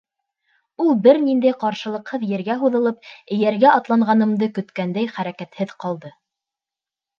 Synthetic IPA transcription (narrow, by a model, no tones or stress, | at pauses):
ulˠbɘɾnind̪æjqɑɾʃɤ̆lˠɤ̆qhɤðjɘ̆ɾɡæɦuðɤ̆lˠɤp̚ɘ̆jæɾɡæɑt̪lˠɑɴʁɑnɤ̆md̪ɤkɵ̆t̪kænd̪æjχæɾækæt̪hɘðqɑlˠd̪ɤ